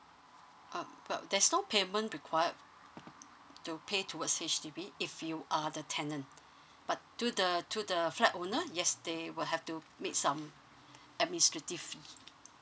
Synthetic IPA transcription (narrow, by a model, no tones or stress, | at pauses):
ʔãwɛ̰ldɛsnopʰemə̃nɹikʰwajəd̚ | tupʰetʰuwətset͡ʃtibiifjuʔadətʰɛ̃nə̃n | b̥atːudətʰudəflɛtonəjɛsdewɪlɦɛftu | mek̚sãm | ɛt̚ministɹ̥ətiv̥fi